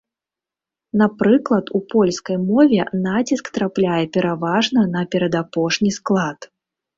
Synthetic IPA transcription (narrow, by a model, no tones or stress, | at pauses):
napɾɨklˠɐt̪upɔlʲskɐjmɔvʲɛnat͡sʲiskt̪ɾaplʲajɛpʲɛɾavaʐnɐnɐpʲɛɾɐd̪apɔʂnʲisklˠat̪